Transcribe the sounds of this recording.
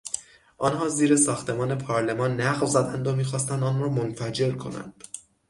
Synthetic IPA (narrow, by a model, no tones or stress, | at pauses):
ʔɒːnhɒːziːɾe̞sɒːxt̪ʰe̞mɒːne̞pʰɒːɾle̞mɒːnːæɣvzæd̪ænd̪omiːxɒːst̪ænd̪ɒːnrɒːmo̞nfæd͡ʒe̞ɾkʰo̞̰næ̰nd̪̥